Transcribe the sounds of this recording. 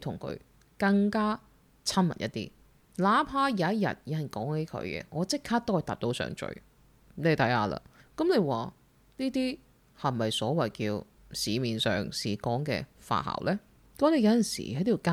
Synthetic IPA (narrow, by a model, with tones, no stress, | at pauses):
t̪ʰʊ˨˩ŋkʰɵ̰˨˧˥ɥ | kɐ˧ŋkaː˥ | t͡sʰɐ˥nmɐ̰˨˩nʔɐ̰˦˥t̪̚ːḭː˥ | laː˨˥pʰaː˥jaː˨˧˦ɐ˥t̚jɐ̰˨t̚ji˨ɐ˨nkɔː˨˥ŋhe˨˧˥jkʰɵ̰˨˧ɥkɛ̰ː˧ŋɔː˨˧t͡sɪ˥kkʰːaː˥t̪o˥hɐ˨jt̪aː˨p̚t̪o˨˧wsœ̰ː˨ŋt͡ʃɵ̰˧˩ɥ | ne˨˧˥t̪ʰɐ˨˥jhaː˧la̰ː˧kɐ˨˦mle˨˧jwaː˨ | niː˥t̪iː˥ | hɐ˨˩mːɐ˨˩jsɔː˨˥wɐ˨˩jkiː˧w | siː˨˧miː˨˩nsœ̰ː˨ŋsiː˨kɔː˨˥ŋkɛ̰ː˧fa̰ː˧ha̰ː˨˩wlʔɛː˥ | kɐ˨˥mnle˨˧jɐ˨˧wjɐ˨nsḭː˨˩hɐ˨˥t̪ʰi˨˩ka˥